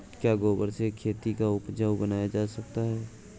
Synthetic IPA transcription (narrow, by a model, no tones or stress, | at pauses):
kjaːɡoːbəɾsekʰeːt̪ikaʊpd͡ʒʱəwbənaːjad͡ʒaːsɐk̚t̪aɦɛː